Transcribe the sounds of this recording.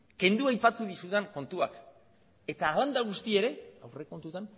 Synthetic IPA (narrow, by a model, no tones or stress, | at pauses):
ke̞nd̪uajpat̪uðisut̪eŋko̞nt̪uak | e̞t̪aːland̪aɣ̞ust̪ie̞ɾe̞awre̞ko̞nt̪ut̪an